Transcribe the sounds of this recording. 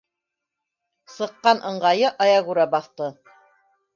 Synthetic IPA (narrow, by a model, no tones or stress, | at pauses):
sɤ̆qːɑnʔɤ̆ɴɢɑjɤʔɑjɑɣuɾɑbɑθt̪ɤ